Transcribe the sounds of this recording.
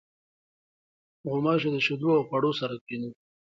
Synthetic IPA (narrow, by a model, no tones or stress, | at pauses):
ɣʊmɑʃ̬ed̪əʃɪd̪uawxwaɽosaɾakinu